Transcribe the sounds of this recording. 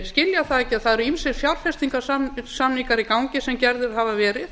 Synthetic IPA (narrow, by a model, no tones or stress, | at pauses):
scɪljaθaðɛcːɪaðθaðɛɾʏinsɪɾ̥fjawɾ̥fɛst̪iŋkasasamniŋkaɾikawŋcɪsɛmcɛɾðɪɾ̥ɦavavɛːɾɪθ